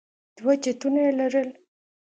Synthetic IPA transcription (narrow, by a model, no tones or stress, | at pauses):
d̪̥wat͡ʃat̪unajelaɾəl